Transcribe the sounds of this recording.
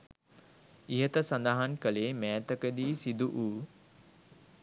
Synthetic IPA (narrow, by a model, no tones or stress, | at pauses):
iɦət̪əsand̪aɦankəleːmæːt̪əkəd̪iːsid̪uʔuː